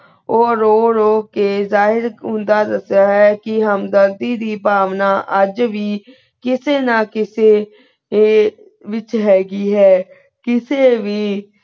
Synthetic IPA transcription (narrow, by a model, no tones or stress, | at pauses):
oːɾoːɾoːkeːzaːɦɪɾɦʊ̃nd̪aːd̪əsaːɦɛːkɪɦəmd̪əɾd̪iːd̪iːpaːʋnaːʔəd͡ʒʋiː | kɪseːnãːkɪseː | ʋɪt͡ʃɦɛːɡiːɦɛː | kɪseːʋiː